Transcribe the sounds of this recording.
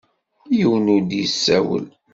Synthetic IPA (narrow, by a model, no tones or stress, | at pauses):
jəwnud̪jəsːæwə̰l